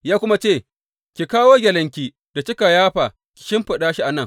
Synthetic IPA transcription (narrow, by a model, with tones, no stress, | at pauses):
jaː˦kʷʊ˦ma˦t͡ʃeː˦˨ | kʲi˨kaː˦woː˦ɡʲɛ˨lɐ˦ŋk̬ʲiː˦ | d̥a˨t͡ʃɪ˦ka˨jaː˦ɸa˨ | kʲɪ̥˨ʃɪ˦mɸɐ˨ɗaː˦ʃi˦ʔa˨nɐ˦ŋ